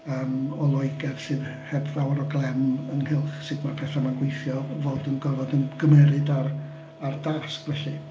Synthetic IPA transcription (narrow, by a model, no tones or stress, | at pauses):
əːmɔlˠɔɨɡɛð̥sɨːðhɛbðawaɾɔɡlˠɛmənhɪlˠχsɨdmapʰɛθamanɡwejθjɔvoːdənɡɔvɔdənɡəmɛɾɨdar | ardaskvɛɬɨ